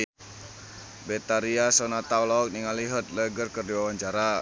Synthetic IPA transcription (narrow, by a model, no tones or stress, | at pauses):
bɛt̪aɾiasɔnat̪awlɔɔk̚niŋaliɦət̪̚ləɡərkərdiwawaɲt͡ʃaɾa